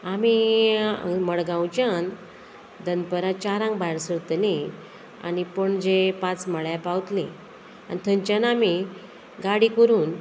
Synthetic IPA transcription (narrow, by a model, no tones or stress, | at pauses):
ami | məɭɡãwt͡ɕjan | d̪ənpəɾat͡ɕaɾãŋkbajɽsəɾt̪lẽ | a̰nipəɳd͡ʑepãt͡sməɭjapawt̪le | a̰nit̪ʰəɲt͡ɕanami | ɡaɽikəɾuːn